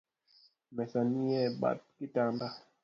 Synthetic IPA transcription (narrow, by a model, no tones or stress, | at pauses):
mɛsanijɛɓa̰t̚kitanda